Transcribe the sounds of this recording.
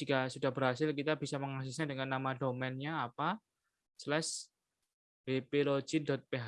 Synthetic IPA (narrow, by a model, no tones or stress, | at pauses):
d͡ʒiɡasudahbəɾɦasɪlk̬it̪abisaməŋas̬ʊsɲadəŋanːamadomɛnɲaːpa | slɛs | b̥epelo̥d͡ʒ̥indɔt̪̚peɦa